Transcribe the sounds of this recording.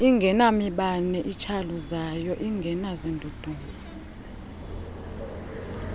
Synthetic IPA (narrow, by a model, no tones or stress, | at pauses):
iŋɡʱɛnamiɓanɛʔit͡ʃʰaluzajɔʔiŋɡʱɛnazindʱud̥ʱuːŋa